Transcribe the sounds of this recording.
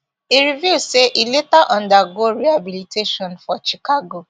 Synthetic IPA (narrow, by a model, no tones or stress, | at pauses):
iɾivjuseʔiletaʔɔ̃ndaɡoɾihabiliteʃɔ̃nfɔt͡ʃikaɡo